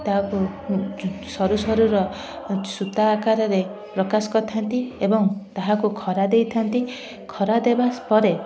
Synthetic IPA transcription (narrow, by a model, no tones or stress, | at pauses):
t̪aɦaku | sɔɾusɔɾuɾɔ | sut̪aːkaɾɔɾe | pɾɔkasɔ̥kɔt̪ʰant̪iebɔŋt̪aɦakukʰɔɾad̪ejt̪ʰant̪i | kʰɔɾad̪ebaspɔɾe